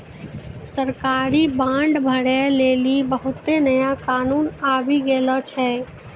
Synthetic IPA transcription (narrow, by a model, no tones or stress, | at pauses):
səɾkaːɾibãːɳɖbʱəɽɛleːlibəɦʊt̪ːenəjakaːnuːnaːbiɡeːlɔt͡ʃʰɛː